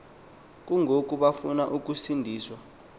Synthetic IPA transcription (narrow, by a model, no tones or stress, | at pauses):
k̬ʼuŋʱok̬ʼuɓafunaʔuk̬ʼusindʱiːswa